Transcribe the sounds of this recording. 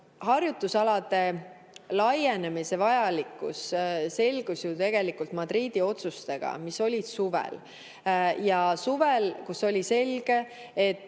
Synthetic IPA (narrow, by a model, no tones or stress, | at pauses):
hɑrjut̪ːusɑlɑd̪̥e̞ | lɑje̞nemise̞vɑjɑlikːˑṵsse̞lʲɡ̥usjut̪e̞ɡ̥e̞likult̪mɑd̪riːd̪̥io̞t̪sust̪e̞ɡ̥ɑ̰miso̞lʲid̪̥suvḛl | jɑsuvelkuso̞lʲise̞lɡ̥e̞ː | t̪ːˑ